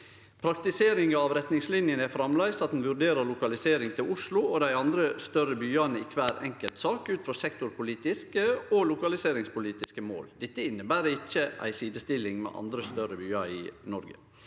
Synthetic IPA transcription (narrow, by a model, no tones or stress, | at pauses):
pʰɾɑkt̪ɪseːɾɪŋɑʋɾɛt̪nɪŋslɪnjənæfɾɑmlæɪsɑt̪̚d̪n̩ʋʉɾɖeːɾəɾɭʊkɑlɪseːɾɪŋt̪ʰɪlʊʂlʊod̪æɪɑnd̪ɾəst̪œɾəbyːɑnəɪkʰʋæːɾɛ̰ŋkəlt̪sɑːkʉːt̪fɾɔsɛkt̪ʊɾpʰʊliːt̪ɪskəolʊkɑlɪseːɾɪŋspʊliːt̪ɪskəmo̰ːld̪ɛt̪ːəɪnːəbæːɾəɪçːəʔæ̰ɪsiːd̪əst̪ɪlɪŋmɛ̰ːʔɑ̰nd̪ɾəst̪œɾəbyːɑɾɪ̰nɔɾɡə̰